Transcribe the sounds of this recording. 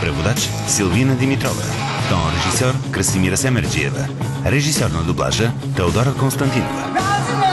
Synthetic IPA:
pɾɛvod̪at͡ʃ | silˠvinəd̪imit̪ɾɔ̰və̰ | t̪ɔɾɛʒisøɾkɾəsimiɾəsɛmɛɾd͡ʒiɛ̰və̰ | ɾɛʒisøɾnəd̪oblˠa̰ʒə | t̪ɛod̪ɔɾkonst̪ɐnt̪inovə̰

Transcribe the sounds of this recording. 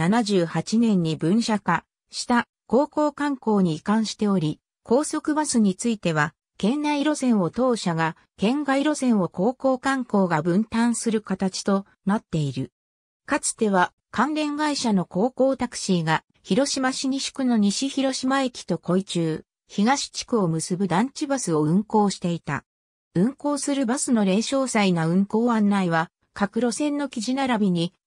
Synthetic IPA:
nanaʑɨːhat͡ɕinẽ̞ɲ̟ːibɯ̟̃ɰ̃ɕaka | ɕi̥t̪a | ko̞ːko̞ːkãŋko̞ːɲ̟iːkãɰ̃ɕi̥t̪e̞o̞ɾʲi | kʰo̞ːso̞kɯ̟basɨɲ̟it͡sɨit̪e̞β̞a | kẽ̞nːaiɾo̞sẽ̞ɰ̃o̞t̪o̞ːɕaɡa | kẽ̞ŋɡaiɾo̞sẽ̞ɰ̃o̞ko̞ːko̞ːkãŋko̞ːɡabɯ̟̃nt̪ãɰ̃sɨɾɯ̟kat̪at͡ɕi̥t̪o̞ | nat̪ːe̞iɾɯ̟ | kat͡sɨ̥t̪e̞β̞a | kãnɾẽ̞ŋɡaiɕano̞ko̞ːko̞ːt̪akɯ̟̥ɕiːɡa | çiɾo̞ɕimaɕiɲ̟iɕi̥kɯ̟no̞ɲ̟iɕiçiɾo̞ɕimae̞kʲi̥t̪o̞ko̞it͡ɕɨː | çiɡaɕi̥t͡ɕi̥kɯ̟o̞mɯ̟sɨbɯ̟d̪ãɲ̟t͡ɕibasɨo̞ɯ̟̃ŋko̞ːɕi̥t̪e̞it̪a̰ | ɯ̟̃ŋko̞ːsɨɾɯ̟basɨno̞ɾe̞ːɕo̞ːsainaɯ̟̃ŋko̞ːãnːaiβa | kakɯ̟ɾo̞sẽ̞nːo̞kʲiʑinaɾabʲiɲ̟i

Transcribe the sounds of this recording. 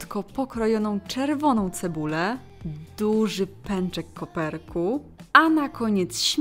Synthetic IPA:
t̪kɔpɔkɾɔjɔnɔ̃w̃t͡ʂɛɾvɔn̪ɔ̃w̃t̪sɛbulɛ | d̪uʐɘpɛnt͡ʂɛkːɔpɛɾku | anakʰɔɲɛt̪sɕʲ

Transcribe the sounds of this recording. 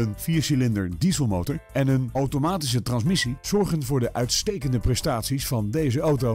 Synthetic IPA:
ənfiːɹsilɪndə̰ɹdizəlˠmowtəɹɛnənowtomaːtis̬ətrɑnsmɪsiz̥ɔɹχənvʊːɹdəʔœɥtstejkəndəprɛstaːtsisfɑndejzəowto

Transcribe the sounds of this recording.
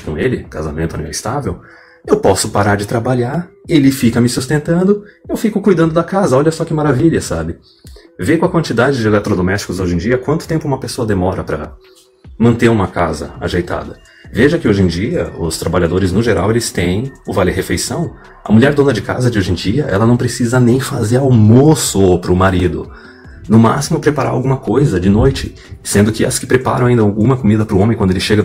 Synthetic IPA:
kõelɪkazamẽnt̪ʊɐnḛ̃ɛɪst̪avew | ewpɔsʊpaɾaɾd͡ʒɪt̪ɾabaʎaɾelɪfikɐmɪsust̪ẽnt̪ɐ̃nd̪ʊewfikʊkujd̪ɐ̃nd̪ʊd̪ɐkazɐɔʎɐsɔkɪmaɾaviʎɐsabɪ | vekõɐkwɐ̃nt͡ʃid̪ad͡ʒɪd͡ʒɪelɛt̪ɾod̪omɛst͡ʃi̥kʊzoʒẽd͡ʒiɐkwɐ̃nt̪ʊ̥t̪ẽmpʊũmɐpesoɐd̪emɔɾɐpɾɐ | mɐ̃nt̪eɾũmɐkazɐ̰a̰ʒejt̪a̰d̪ɐ | veʒɐkɪoʒẽj̃d͡ʒiɐ̰ʊst̪ɾabaʎad̪oɾɪznʊʒeɾawelɪst̪ẽj̃ʊvalɪɦefejsɐ̃w̃ | ɐ̰muʎɛɾd̪õnɐd͡ʒɪka̰zɐd͡ʒɪoʒẽj̃d͡ʒiɐʔɛ̰lɐnɐ̃w̃pɾesizɐnẽj̃fazeɾawmosʊopɾʊmaɾid̪ʊ̰ | nʊma̰simʊpɾepaɾaɾawɡũmɐkojzɐd͡ʒɪnojt͡ʃɪ | sẽnd̪ʊkɪɐskɪ̥pɾepa̰ɾɐ̃w̃aĩnɐawɡũmɐkomid̪ɐpɾʊõmẽkwɐ̃d̪elɪʃeɡɐ

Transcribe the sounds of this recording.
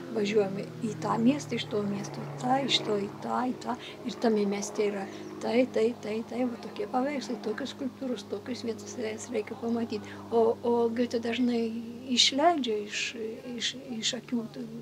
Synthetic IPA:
ʋɐʒʲuɔjɛmiːt̪ɑːmʲiɛst̪ɐɪʃt̪oːmʲiɛst̪oːt̪ɑːɪʃt̪oːit̪ɑːit̪ɑː | ɪrt̪ɐmʲɛmʲɛsʲt̪ʲeiɾɐ | t̪ɐɪt̪ɐɪt̪ɐɪt̪ɐɪʋɐt̪oːkʲiɛpɐʋʲɛɪkslˠɪt̪oːkʲʊskʊlʲpt̪uːɾʊst̪oːkʲʊsʋʲiɛt̪ʊ̥sʲɛsrʲɛɪkʲɛpɐmɐt̪ʲiːt̪ | oːoːɡʲɪt̪ʲɛd̪ɐʒnɐɪɪʃʲlʲɛɪd͡ʒʲɛɪʃɪʃɪʃɐkʲuːt̪ɐ

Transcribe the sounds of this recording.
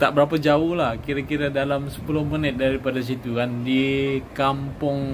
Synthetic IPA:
t̪aʔbəɾapad͡ʒaʊhlahkiɾakiɾadalamsə̥pulʊhmənɪt̪̚daɾipadas̬it̪ukandikampʊŋ

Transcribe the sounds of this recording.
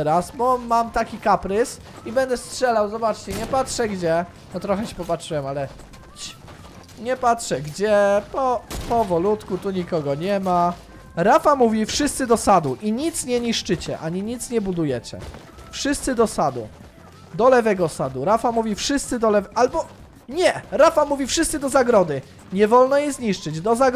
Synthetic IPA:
ɛɾasbɔmamt̪akʲikapɾɘs | ibɛnd̪ɛstʂɛlawzɔbat͡ʂt͡ɕɛɲɛpatʂɛɡd͡ʑɛ | nɔt̪ɾɔxɛt͡ɕɛ̥pɔpatʂɨwɛmalɛ | t͡ɕ | ɲɛpatʂɛɡd͡ʑɛpɔpɔvɔlut̪kut̪uɲikɔɡɔɲɛma | ɾafamuvʲifʂɘst̪sɘd̪ɔsad̪uʔiɲit̪sɲɛɲiʂt͡ʂɘt͡ɕɛ̰ʔaɲiɲit̪sɲɛbud̪ujɛt͡ɕɛ̰ | fʂɘst̪sɘd̪ɔsad̪ṵ | d̪ɔlɛvɛɡɔsad̪uɾafamuvʲifʂɘst̪sɘd̪ɔlɛvʔalbɔ | ɲɛɾafamuvʲifʂɘst̪sɘd̪ɔzaɡɾɔd̪ɘ | ɲɛvɔlnɔjɛzɲiʂt͡ʂɘd͡ʑd̪ɔzaɡ

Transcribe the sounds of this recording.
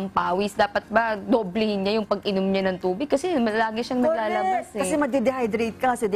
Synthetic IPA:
ŋpaːwɪsd̪aːpɐt̪̚bɐd̪oblɪhɪnɲajʊŋpɐɡʔɪnomɲanɐŋt̪uːbɪɡ̚kɐsɛmɐlaːɡɪʃaŋnɐɡlaːlɐbasɛkɐsɛmɐd̪ɛd̪ɛhajd̪ɾit̪̚kɐɐsɛd̪

